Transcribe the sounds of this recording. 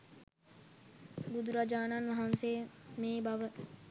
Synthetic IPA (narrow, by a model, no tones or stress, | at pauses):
bud̪ɾad͡ʒaːnanʋɐɦanseːmeːbɐʋə